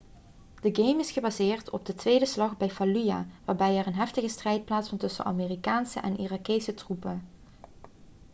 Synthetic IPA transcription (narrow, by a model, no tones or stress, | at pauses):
d̥əɡejmɪsχəbaːzɪːɹtɔ̰b̚dətʋejdəslɑχbɛjfalyja̰ːʋaːɹbɛjɛrənɦɛftəɣəstrɛjt̚plaːtsfɑntɵsə̰nʔa̰meːrikaːnsə̰ʔɛnʔirakejsətrupən